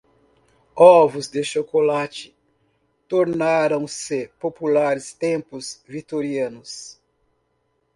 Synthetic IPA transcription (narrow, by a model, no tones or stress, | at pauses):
ɔvʊzd̪ɪʃokolat͡ʃɪ̥ | t̪oɾnaɾɐ̃w̃sɪpopulaɾɪst̪ẽpʊzvit̪oɾiɐ̃nʊs